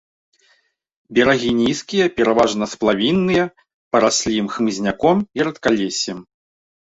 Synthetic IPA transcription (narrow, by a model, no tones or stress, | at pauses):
bʲɛɾaɣʲinʲiskʲijɐpʲɛɾavaʐnɐsplˠavʲinːɨjɐ | pɐɾasʲlʲimxmɨzʲnʲakɔmiɾɐt̪kalʲɛsʲɛm